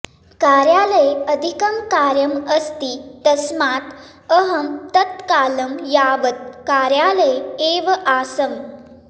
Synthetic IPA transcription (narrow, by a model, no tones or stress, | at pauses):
kaːɾjaːləjəd̪ʱikɐmkaːɾjɐməst̪iːt̪ɐsmaːt̪ | əɦɐmt̪ɐt̪kaːlɐmjaːʋət̪̚kaːɾjaːləjeːʋɐʔaːsɐm